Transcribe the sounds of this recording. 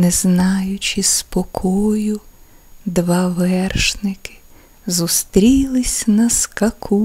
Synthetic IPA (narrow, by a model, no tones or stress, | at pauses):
nɛznɑjʊt͡ʃispɔkʰɔjʊ | d̪ʋɑʋɛrʃnɪkɪ̥ | zust̪ɾʲilˠɪsʲnɐskɐkʰu